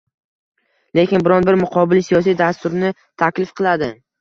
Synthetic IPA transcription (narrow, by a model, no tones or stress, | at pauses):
le̞kʲɪnbɪɾɒnbɪɾmʊqʰɒbɪlsijɒsijd̪ast̪ʊɾnɪ | t̪ʰakʲlɪfqʰɨlˠad̪ɪ